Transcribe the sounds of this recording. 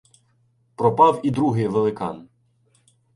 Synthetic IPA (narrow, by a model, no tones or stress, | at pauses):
pɾɔpɑwid̪ɾuɦɪjʋelˠɪkɑ̰n